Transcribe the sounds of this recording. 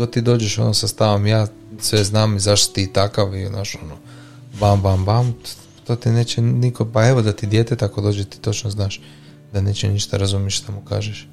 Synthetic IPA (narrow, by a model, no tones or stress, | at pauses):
ot̪iːd̪o̞ːd͡ʒeʃo̞̰nosast̪aʋomjaː | sʋeznaːmizaʃt̪o̥t̪it̪akaʋinaːʃo̞no | bambambam | t̪ot̪ineːt͡ɕenikopaeʋod̪at̪id̪je̞t̪et̪akod̪o̞ːd͡ʒet̪i̥t̪o̞t͡ʃnoznaːʃ | d̪aneːt͡ɕeniʃt̪aɾazumjeʃt̪amuka̰ːʒeʃ